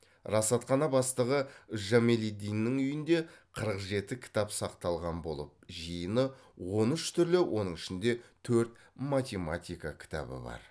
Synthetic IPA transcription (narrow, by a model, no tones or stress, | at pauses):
rɑsɑt̪qɑnɑbɑst̪əʁəʏʒamelid̪ijnːɪŋʏjɪnd̪e̞qʰəɾəqʒe̞t̪ɪkʲʰɪ̥t̪ɑpsɑqt̪ɑlˠʁɑnbo̞̰lˠəp̚ʒijənəwo̞nʏʃt̪ʰʏɾlɪwʔo̞̰nəɴɪʃɪnd̪e̞t̪ʰɵɾt̪ | mat̪ʲe̞mat̪ʲijkakʲʰɪ̥t̪a̰bɪ̰bɑ̰ɾ